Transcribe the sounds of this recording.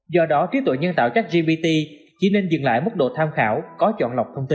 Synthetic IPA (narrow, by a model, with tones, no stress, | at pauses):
zɔ˧ɗɔ˨˦t͡ɕi˨˦ət̪w̰jɲə˧nt̪a̰ː˧˨wt͡ɕa˦˥k̚zi˧ɓi˧t̪i˧ | t͡ɕḭ˧˩ne˧nzɨ˨˩ŋla̰ː˧˨jmə˦˥t̚ɗo̰˧˨t̪ʰaː˧mxaː˧˩wkɔ˨˦t͡ɕɔ̰˧˨nla˨˩wk͡p̚t̪ʰə˧wŋ͡mt̪i˧